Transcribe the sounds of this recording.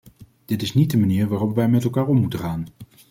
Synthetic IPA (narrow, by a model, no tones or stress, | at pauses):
d̥ɪtɪsnid̚dəmaniːɹʋaːrɔpʋɛjmɛtɛlˠkaːɹɔmmutəχaːn